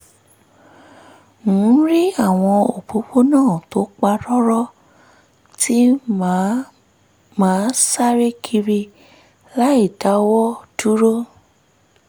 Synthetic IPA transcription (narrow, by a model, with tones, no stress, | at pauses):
ŋũ˨˦ɾi˦a˦˨w̃ɔ̃˧o̰˨po˨˦k͡po˦nãː˦˨to˨˦k͡pa˧ɾɔ˦ɾɔ˦ | tʰi˦ | mãː˨˦sa˦ɾe˦kʰi˧ɾi˧ | la˦i˦˨da˨˦wɔ˦du˦ɾo˦